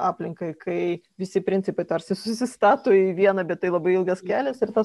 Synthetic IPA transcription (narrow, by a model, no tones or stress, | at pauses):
ɑːpʲlʲɪŋkɐɪkʰɐɪ | ʋʲɪsʲɪpʲɾʲɪnʲtt͡s̪ʲɪpɐɪt̪ɐɾʲsʲɪsʊsʲɪst̪ɑːt̪oːiʋʲiɛnɐbʲɛt̪t̪ːɐɪlˠɐbɐɪɪlˠɡɐskʲæːlʲɛsɪɾt̪ɐ